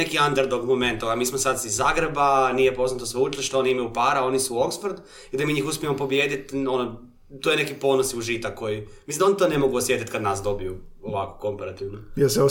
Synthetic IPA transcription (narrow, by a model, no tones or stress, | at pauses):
ekiand̪aɾd̪oɡmo̞me̞nt̪oamiːsmosad̪sizːaːɡɾebanijepo̞znat̪osʋeut͡ʃliʃt̪ooniimajupaːɾao̞nisuo̞ksfoɾd̪u | id̪amiːɲiːxuspʲiemopo̞bjeːd̪it̪o̞no | t̪ojene̞kipo̞nosiuʒit̪ako̞jimisind̪onit̪one̞mo̞ɡuosje̞t̪it̪kad̪naːsd̪o̞bijuoʋako̥ko̞mpaɾat̪iʋnojeseo